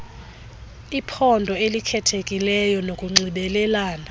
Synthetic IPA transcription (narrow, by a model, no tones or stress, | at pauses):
ipʰɔndʱɔelikʰɛtʰekʼilɛjɔnokʼuŋ͡ǀiɓɛlɛlaːna